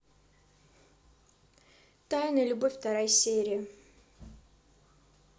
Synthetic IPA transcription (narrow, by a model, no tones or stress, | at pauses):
t̪ajnəlʲʊbofʲft̪ɐɾajsʲeɾʲɪɪ